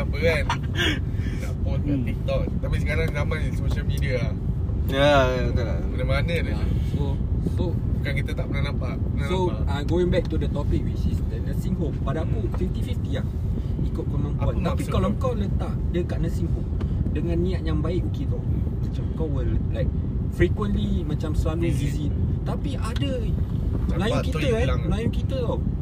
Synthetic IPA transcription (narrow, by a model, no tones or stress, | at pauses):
abəɾan | na̰ʔpɔnat̪ik̚t̪ɔk̚t̪apisəkaɾaŋzamãnisoʃəlmidia | jana | əlamanədɛasosobukankit̪at̪aʔmənalapaʔənoaɡoĩŋbɛk̚t̪udət̪ɔpik̚wit͡ʃisdənəsiŋɦompadapusiɛnt̪ifift̪ia | ikʊt̪̚kəmãŋkanapikalɔkawlət̪aʔdəkaʔ̚nəsiŋɦop̚dəŋãnːĩaʔjaŋbaɪʔukit̪ɔmãt͡ʃamkawəllajk̚fɾikwə̃nlimãt͡ʃamsəlamisizint̪apiʔadə | lajũkitt̪əlaŋlajʊkit̪ət̪o